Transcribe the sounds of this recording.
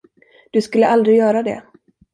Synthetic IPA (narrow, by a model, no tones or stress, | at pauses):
d̪̥ɵskɵlːəʔald̪ɾɪjœːɾad̪ɛ̰